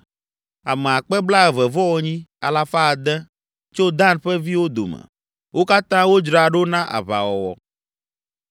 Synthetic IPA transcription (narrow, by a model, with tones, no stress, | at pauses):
a˨mɛ˨a˨k͡pɛ˦bla˦ɛ˨vɛ˨vɔ˦wɔ˦ɲĩ˦a̰˨la˦fa˦˨d̪ɛ˦ | t͡ʃo˦d̪ã˦nɸɛ˦vi˦wo˦d̪o̰˨mɛ̰˨ | wʔo˦ka˦t̪ã˦wo˦d͡ʒɾa˨ɖo˦nã˦ʔa̰˨βa̰˨wɔ˨wɔ̰˨